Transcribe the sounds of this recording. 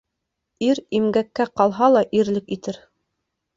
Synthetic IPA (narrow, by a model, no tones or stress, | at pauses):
iɾimɡækːæqɑlˠɦɑlˠɑʔiɾlɘkit̪ɘɾ